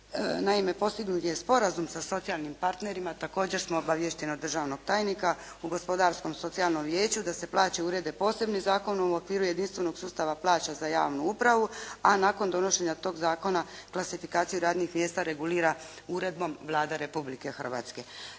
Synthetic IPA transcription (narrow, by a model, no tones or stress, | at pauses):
naime̞po̞st̪iɡnut̪jespo̞ɾazumsaso̞t̪sijalˠnimpaɾt̪ne̞ɾimat̪ako̞ːd͡ʑe̞ɾsmo̞obaʋje̞ʃt̪enod̪r̩ʒaːʋno̞ɡ̥t̪aːjnika | uɡo̞spo̞d̪aːɾsko̞mso̞t̪sialˠno̞mʋje̞ːt͡ɕud̪ase̞plˠaːt͡ɕe̞uɾe̞d̪e̞po̞ːse̞bnizaːko̞nuo̞kʋiːɾuje̞d̪inst̪ʋe̞no̞ɡsuːst̪aʋaplˠaːt͡ɕazaja̰ːʋnuupɾaʋuanaːko̞nd̪o̞no̞ʃe̞ɲat̪o̞ːɡzaːko̞naklasifikaːt̪sijuɾaːd̪nixmje̞ːst̪aɾe̞ɡuliːɾa | uɾe̞d̪̚bo̞mʋlˠaːd̪aɾe̞publike̞xərʋa̰ːt̪ske̞